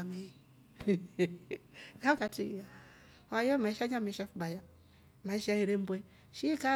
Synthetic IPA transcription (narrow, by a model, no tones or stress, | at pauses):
me | kakatija | wajomaiʃaɲameʃafubaja | maiʃaiɾembʷe | ʃika